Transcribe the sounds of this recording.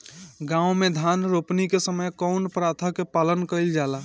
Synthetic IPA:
ɡãw̃med̪ʱanɾopnikesəməjkəʊnpɾat̪ʰəkepalənkəɪld͡ʒala

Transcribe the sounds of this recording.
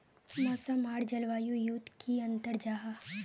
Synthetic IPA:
masamaːɽd͡ʒɐlʋaːjujuːt̪kʰiɐ̃nt̪əɾd͡ʒaːɦa

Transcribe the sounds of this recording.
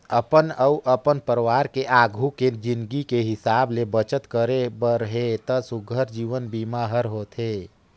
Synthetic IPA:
əpənəuʔəpənpəɾʋaːɾkeʔaɡʱuked͡ʒinɡikeɦɪsaːblebət͡ʃət̪kəɾebəɾəɦet̪əsuɡʱəɾd͡ʒiːʋənbimaɦəɾɦot̪ʰe

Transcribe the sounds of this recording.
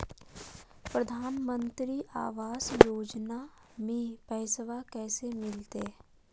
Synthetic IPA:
pɾəd̪ʱaːnmə̃nt̪ɾiʔa̰ːʋaːsjoːd͡ʒna | mẽpɛːsʋakɛːsemɪlt̪e

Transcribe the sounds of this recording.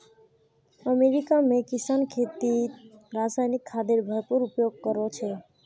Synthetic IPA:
əmeɾikamẽkisankʰet̪iɾasajnikʰːad̪eɾbʱəɾpuɾupjoɡ̚kəɾot͡ʃʰɛ

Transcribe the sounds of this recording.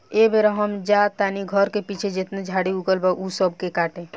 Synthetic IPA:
ebeɾəɦəmd͡ʒat̪aniɡʱəɾkepit͡ʃʰed͡ʒet̪ned͡ʒʱaːɽiuɡəlbaʔusəb̚ʱkekaːʈẽ

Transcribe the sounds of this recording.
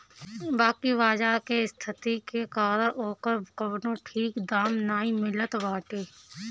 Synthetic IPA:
baːkiʋaːd͡ʒaːkeɪst̪ʰɪt̪ikekaːɾəɾoːkəɾbkəʋnõʈʰiːkd̪aːmnaːĩmɪlət̪ʋaːʈeː

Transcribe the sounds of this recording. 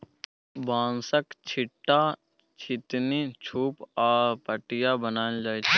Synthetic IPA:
bãːnsəkt͡ʃʰɪʈːa | t͡ʃʰɪt̪nit͡ʃʰuːpaːpəʈɪjabənaːld͡ʒaːjt͡ʃʰː

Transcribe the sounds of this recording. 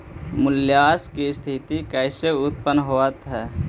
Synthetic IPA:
mʊljaːskist̪ʰit̪ikɛɪseʊt̪̚pənɦoət̪ɦɛː

